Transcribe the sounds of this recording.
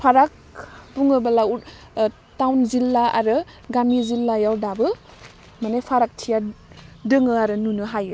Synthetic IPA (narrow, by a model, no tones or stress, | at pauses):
pʰaɾak̚buŋɯbalau | tawnzilːaa̰ɾɯ | ɡamizilːajawdabɯ | manajpʰaɾak̚tʰijadɯŋɯaɾɯnunɯɦajɯ